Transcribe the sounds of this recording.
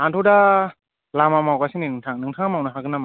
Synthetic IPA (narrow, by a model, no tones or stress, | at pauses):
antʰɔda | lamamawkasininɯŋtʰaŋnɯŋtʰaŋamawnaɦaɡɯnama